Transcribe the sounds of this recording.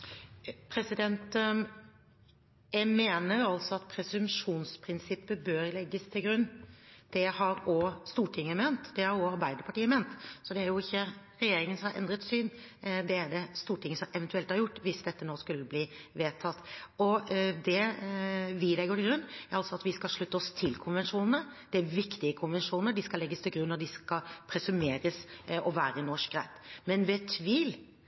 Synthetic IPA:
pʰɾɛsɪd̪ɛnt̪ | jæɪmeːnəɾjʊɑlsɔɑt̪̚pʰɾɛsʉmʂuːnspʰɾɪnsɪpːəbøːɾlɛɡːəst̪ʰɪlɡɾʉnːd̪̥ɛhɑɾɔst̪uːʈʰɪŋːəmeːnt̪d̪̥ɛhɑɾɔɑɾbæɪd̪əɾpʰɑʈiːəmeːnt̪sɔd̪ɛæɾjʊɪçːə | ɾɛjeːɾɪŋənsɔmhɑɾɛ̰nd̪ɾət̪syːn | d̪ɛæɖɛst̪uːʈɪŋːəsɔmɛʋɛnt̪ʉɛlt̪hɑɾjʊʈːʋɪsd̪ɛt̪ːənoːskʉlːəbliːʋeːt̪ʰɑt̪ːɔd̪ɛ | ʋɪlɛɡəɾɪɡɾʉnːæɾɑlsɔɑt̪ʋɪskɑlʂɭʉt̪ːəɔst̪ʰɪlkʰʊnʋɛnʂuːnənə | d̪̥ɛæɾʋɪkt̪ɪəkʰʊnʋɛnʂuːnəɖɪskɑlɛɡːəst̪ʰɪlɡɾʉnːɔd̪ɪskɑpʰɾɛsʉmeːɾəsɔʋæːɾənɔʂk̚ɡɾæɪt̪mɛnʋɛt̪ʰʋiːl

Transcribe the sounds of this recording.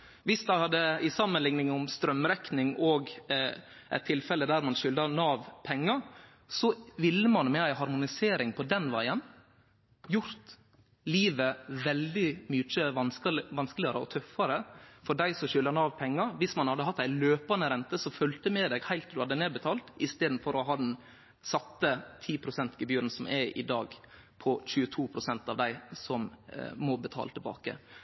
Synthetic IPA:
ʋɪsd̪æɪhɑd̪ːəɪsɑmənlɪŋnɪŋʊmst̪ɾœmɾɛknɪŋoːɡ | ʔæ̰ɪt̪ʰːɪlfɛlːəd̪æɾmɑnʃʏld̪ɑɾnɑːʋpʰɛŋːɑɾ | sɔʋɪlːəmɑnmɛæɪɦɑɾmʊnɪseːɾɪŋpʰɔd̪ɛnʋæɪən | jʊɾt̪ | liːʋəʋɛld̪ɪmyːt͡ʃəʋɑnʋɑnskəlɪɑɾə̰ɔ̰t̪ʰœfːɑɾəfɔɖæɪsɔʃʏlːəɾnɑːʋpʰɛŋːɑɾʋɪsmɑnhɑd̪əɦɑt̪ːæɪløːpɑnəɾɛnt̪əsɔfœlt̪əmɛːd̪ɛɡhæɪlt̪d̪ʉhɑd̪ːəneːd̪bət̪ʰɑːlt̪ɪst̪eːd̪n̩fɔɾɔɦɑːd̪ɛn | sɑt̪ːət̪ʰiːpʰɾʊsɛnt̪ɡəbjʉːɾən̩sɔmʔɛʔɪ̰d̪ɑːɡ | pʰɔçʉːət̪ʰuːpʰɾʊsɛnt̪ɑʋd̪æɪsɔmmɔbət̪ʰɑ̰ːlət̪ʰɪlbɑ̰ːkə̰

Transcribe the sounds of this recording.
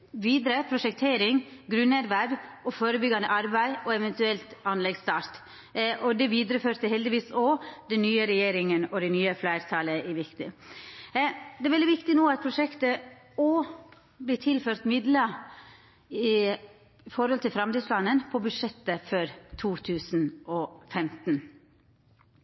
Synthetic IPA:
ʋiːd̪ɾəpʰɾʊʂɛkt̪ʰeːɾɪŋɡɾʉnɛd̪ʋæɾʋɔfoːɾəbʏɡɑnd̪əʔɑɾbæɪʔɔɛʋɛnt̪ʉɛlt̪ɑnlɛɡst̪ɑːɾt̪ | ʔɔd̪ɛʋiːd̪ɾəføːɾt̪əɦhɛld̪ɪʋiːsɔd̪ɛnnyːəɾɛjeːɾɪŋənɔd̪ɛnyːəflæɪɾt̪ʰɑːləʔæʋɪkt̪ɪ | d̪ɛæɾʋɛld̪ɪʋɪkt̪ɪnuːɑt̪̚pʰɾʊʂɛkt̪ə | ɔ | bliːt̪ʰɪlføːɾt̪mɪd̪lə | ɪ | fɔɾhɔlt̪ɪlfɾɑmt̪ɪːslɑnːənpʰɔbʉd̪ʂɛt̪ːəfœɾt̪ʰuːt̪ʰʉːsn̩ɔfɛmt̪n̩

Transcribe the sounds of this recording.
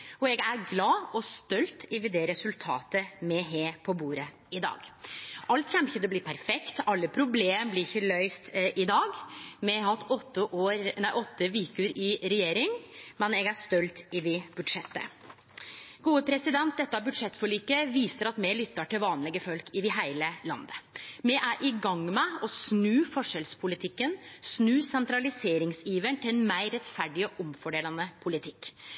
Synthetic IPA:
ɔɛɡæɾɡlɑːɔst̪œlt̪ʰɪʋɪd̪ɛɾɛsʉlt̪ʰɑ̰ːt̪əmɛɦeːpʰɔbuːɾə | ɪd̪ɑ̰ːɡʔɑlt̪çɛmɪçːəd̪ɛb̪ɪpʰæɾfɛkt̪ɑlːəpʰɾʊbleːməblɪɾɪçːəlœʏst̪ʔɪd̪ɑːɡmɛɦɑt̪ːɔt̪ːəʔoːɾnæɪʔɔt̪ːəʋiːkʉɾɪɾɛjeːɾɪŋmɛnɛɡæst̪œlt̪ɪʋɪbʉd̪ʂɛt̪ːə̰ | ɡuːəpʰɾɛsɪd̪ɛnt̪̚d̪ɛt̪ːɑbʉd̪ʂɛt̪ːfɔɭiːkəʋiːsəɾɑt̪mɛlʏt̪ːɑʈɪlʋɑːnlɛɡəfœlkɪd̪ɪɦæɪləlɑ̰nd̪əmɛʔæɾʔɪɡɑŋmɛɔsnʉːfɔʂɛlspʰʊlɪt̪ʰɪkːənsnʉːsɛnt̪ɾɑlɪseːɾɪŋsiːʋəɳt̪ʰɪlɛnmæɪɾɛt̪fæɖɪɔʔɔmfɔɖeːlɑnəpʰʊlɪt̪ʰɪkː

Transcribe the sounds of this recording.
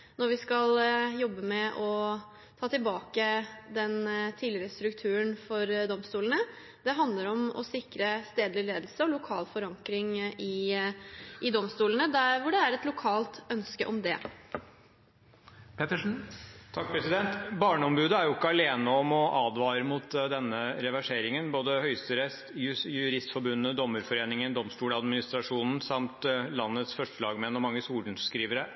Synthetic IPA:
nɔɾʋɪskɑljɔbːəmɛʔɔ | t̪ʰɑːt̪ɪlbɑːkəd̪ɛnt̪ʰiːlɪɾəst̪ɾʉkt̪ʰʉːənfɔɾd̪ɔmst̪uːlənə | d̪̥ɛɦɑnd̪ləɾɔmɔ̰sɪkɾəst̪eːd̪lɪleːd̪l̩səɔlʊkʰɑːlfɔɾɑŋkɾɪŋɪ | ʔɪd̪ɔmst̪uːlənəd̪æʋʊɖɛæɾɛt̪lʊkʰɑːlt̪œnskəʔɔmd̪ɛ | pʰet̪əʂn̩t̪ʰɑk̚pʰɾɛsɪd̪ɛnt̪bɑːɳəɔmbʉːd̪əæɾjʊɪkːəɑleːnəɔmɔʔɑːd̪ʋɑːɾəmʊt̪d̪ɛnːəɾɛʋæʂeːɾɪŋənboːd̪əhœʏst̪əɾɛst̪jjʉɾɪst̪fɔɾbʉnːəd̪ɔmːʉɾfɔɾeːnɪŋənd̪ɔmstuːlɑd̪mɪnɪst̪ɾɑʂuːnn̩sɑmt̪lɑnːət̪sfœʂʈəlɑːɡmɛnːɔmɑŋːəsuːln̩kɾiːʋəɾə

